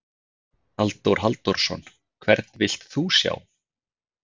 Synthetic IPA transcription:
alt̪owɾ̥ɦalt̪ɔɾ̥sɔn | kʰvɛɾt̪nvɪl̥t̪θusja̰ːw

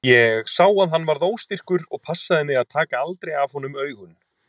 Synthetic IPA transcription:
jɛɣsaːwaðɦan̪ːvaɾðoːwst̪ir̥kʏɾɔɣpʰasːaðɪnɪɣaðt̪ʰaːkaalt̪ɾejav̥hɔnʏmœːɥɣʏn

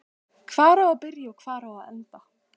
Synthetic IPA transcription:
kʰv̥aːɾaːpɪɾjaɔkʰv̥aːɾaaðɛ̰nt̪a

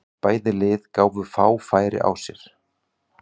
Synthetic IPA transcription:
paːjðɪlɪːðkaːwvʏfaːwfaːjɾɪ̰ʔa̰wsjɛɾ̥

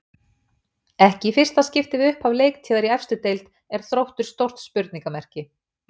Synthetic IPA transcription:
ɛhcɪfɪr̥st̪ascɪft̪ɪðʏhpavleːjk̚t̪ʰiːðaɾiɛfst̪ʏt̪ejlt̪ | ɛɾ̥θɾowht̪ʏɾ̥st̪owr̥t̪spʏɾt̪niŋkamɛr̥cɪ

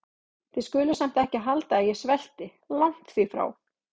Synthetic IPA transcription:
θɪskʏːlʏsam̥t̪ɛhcɪɦalt̪aːðjɛsvɛl̥t̪ɪ | lawŋ̥t̪θifɾa̰w

